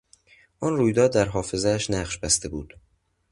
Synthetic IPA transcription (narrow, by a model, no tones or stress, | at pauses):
ʔɒːnruːjd̪ɒːd̪ːæɾɦɒːfe̞zeæʃnæʁʃbæst̪e̞buːd̪̥